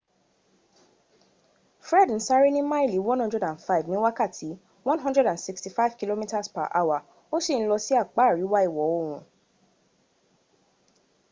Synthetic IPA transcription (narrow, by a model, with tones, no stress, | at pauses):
fɾɛ˦˨dn̩˦sa˦ɾi˦nĩ˦mã˦i˦˨li˨˦wɔ̃˦nhɔ̃˦ndɾɛ˦dã˨nfa˦i˨vnĩ˦wa˦ka˦˨tʰi˨˦ | wɔ̃˦nɦɔ̃˦ndɹɛ˦dã˨nsi˧ksti˨fa˦i˦vki˦lo˦mĩ˦ta˦spa̰˨ʔa˧˦wa˨ | o˦si˦˨ñ̩˦lɔ˧si˦a˦˨k͡pa˨˦˨ɾi˨˦wa˦i˦˨wɔ˨˦o˦˨ɾ̃ũ˨˦